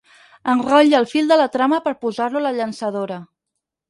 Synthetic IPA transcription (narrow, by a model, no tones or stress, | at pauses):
ənrɔʎəlˠfilˠd̪ələt̪ɾaməpəɾpuzaɾluləʎənsəðoɾə